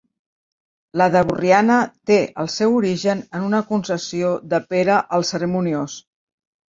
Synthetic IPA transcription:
ləðəβurianət̪eʔəlˠsɛwuɾiʒənənunəkunsəsioðəpeɾəʔəlˠsəɾəmunios

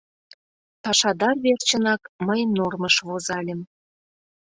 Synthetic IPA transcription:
tɑʃɑd̪ɑrβert͡ɕə̆nɑkməjnorməʃβozɑlʲĕm

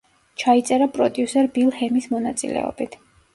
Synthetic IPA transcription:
t͡ʃʰait̪sʼɛɾapʼɾɔd̪jusɛɾbilˠhɛmismɔnat̪sʼḭlɛ̰ɔ̰bit̪ʰ

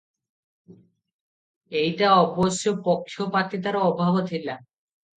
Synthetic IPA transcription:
ejʈaɔboʃːopokʰːjopat̪it̪aɾaɔbʱabot̪ʰila

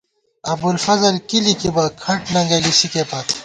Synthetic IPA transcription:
ɐbd̪ulfɐzɐlkilikibɐkʰɐʈnɐ̃ŋɡelisikepɐt̪

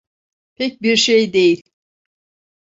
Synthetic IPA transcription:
pʰɛc̚biɾʃejd̪e̞jilʲ

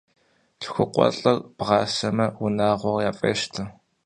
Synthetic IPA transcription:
ɬxʷʊqʷʼɔ̰ɬʼɐrb̥ʁɑːsɐmɐwʊnaːʁʷɔrjaːfʼeːʃtʰɨ

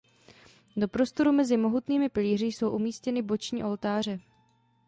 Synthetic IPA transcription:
do̞pɾo̞st̪o̞ɾumɛzɪmo̞ɦut̪niːmɪpɪliːrɪjso̞wʔumiːscɛnɪbo̞t͡ʃɲiːʔo̞lt̪aːr̝ɛ

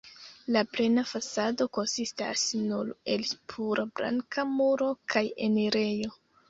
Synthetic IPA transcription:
laple̞nafasado̞ko̞nsista̰snuɾe̞lpʰuɾabɾa̰ŋkamuɾo̞kʰajḛneɾe̞jo̞

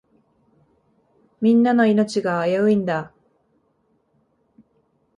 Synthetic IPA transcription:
mʲĩnːano̞ino̞t͡ɕiɡaːjaɯĩnd̪a

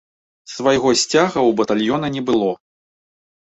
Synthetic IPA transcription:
svɐjɣɔsʲt͡sʲaɣɐwbɐt̪alʲjɔnɐnʲɛbɨlˠɔ

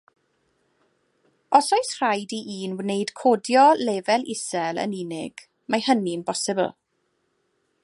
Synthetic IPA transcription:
ɔsɔɨsr̥ajdiʔiːnwnejd̥kʰoːdjɔlɛːvɛlʔɪsɛlˠə̰ninɪɡ̥ | majhəninbɔsɪbə̰lˠ

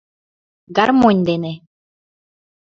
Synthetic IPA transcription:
ɡarmonʲd̪ene

